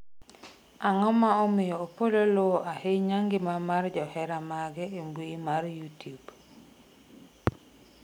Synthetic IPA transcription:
aŋɔmaɔmɪjɔːpololoʔaheɲaŋɡɪmamard͡ʒɔhɛɾamaɡɛembwimarjutjub

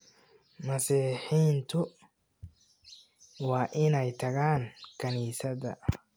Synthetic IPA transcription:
mɐsiːħiːnt̪ʰʊ | wɑːʔɪnɛjt̪ʰɐɣaːŋkʰɐniːsɐðɐ̰

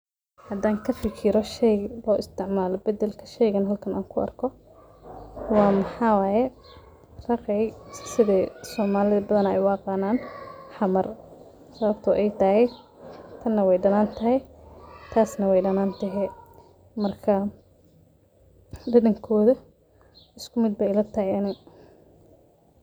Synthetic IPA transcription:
hɐd̪aːŋkʰɐfɪkʰɪɾɔʃɛjlɔːʔɪst̪ʰɪʕmaːlɔbɐd̪ɛlkʰɐʃɛjɣɐnɦɐlkʰɐna̰ːŋkʰʊʔɐ̰rkʰɔ | wɑːmɐħɑːwaːjɛ | rɐqɛjsɪðɛːsɔːmaːlɪðɐbɐðɐnɛjwɑːqɑnaːnħɑmɐr | sɐβɐbt̪ʰʊʔɛjt̪ʰɐɦɛj | t̪ʰɐnːɐwɛjɖɐnaːnt̪ʰɐɦɛjt̪ʰaːsnɐwɛjɖɐnaːnt̪ʰɐɦɛ | mɐrkʰɐ | ɖɐðɐŋkʰɔːðɐ | ɪskʰʊmɪd̪̚bɛjlɐt̪ʰɐɦɛjɐnɪ

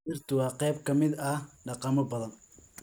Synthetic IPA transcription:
ɪrt̪ʰʊwɑːqɛjb̚kʰɐmɪd̪ɐɖɑqɑmɔbɐðɐn

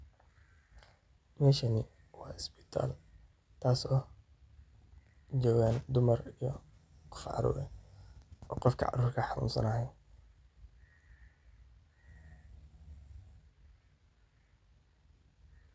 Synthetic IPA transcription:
mɛːʃɐnɪ | wɑːɪsbɪ̥t̪ʰa̰ːl | t̪ʰaːsɔː | d͡ʒɔːɣaːnd̪ʊmɐrijɔ | qɔ̥fʕɑ̰ɾṵːɾɛ | ɔːqɔfkʰɐ̰ʕɑ̰ɾuːrkʰɐħɑnṵːnsɐ̰nɐɦɛjn

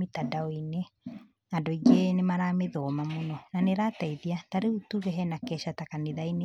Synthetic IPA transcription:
itadaoine | andoiɡenemaɾaːmeðɔmamonɔnaneɾaːtaiðiataɾeutuɣɛɦɛnakɛʃatakaneðaine

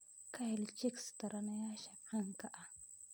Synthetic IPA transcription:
kajlɪt͡ʃɪkst̪aɾanajaʃaqɑŋkaʔa

